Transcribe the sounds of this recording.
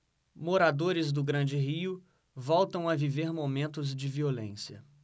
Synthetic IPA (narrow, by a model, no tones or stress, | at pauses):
moɾad̪oɾɪzd̪ʊɡɾɐ̃nd͡ʒɪɦiʊ | vɔwt̪ɐ̃w̃ɐviveɾmomẽnt̪ʊzd͡ʒɪviolḛ̃siɐ̰